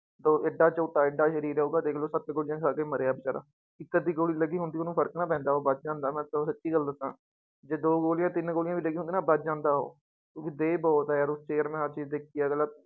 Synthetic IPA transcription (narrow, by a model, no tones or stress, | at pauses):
d̪oːeɖaːt͡ʃoːʈːaːɪɖaːʃəɾiːɾːoːɡaːd̪eːkloːsət̪ɡoːlɪjãːkʰaːkeːməɾeːaːbət͡ʃaːɾa̰ː | ɪkːət̪̚d̪iːɡoːliːləɡiːɦʊnd̪iːonũːpʰəɾəknaːpɛ̃ːnd̪aːɦoːbət̪d͡ʒãːnd̪aːmɛ̃ːsəsətːʃiːɡəld̪ɪt̪ːã̰ː | d͡ʒeːd̪oːɡoːlɪjãːt̪ɪnɡoːljãːʋiːləɡiːɦʊnd̪iːnaːbət̪d͡ʒãːnd̪aːɦo̰ː | kjõːkid̪eːbɔːt̪ɦːaːɾʊst͡ʃeːəɾmɛ̃ːət͡ʃiːd̪eːkʰijaːɡəlːaː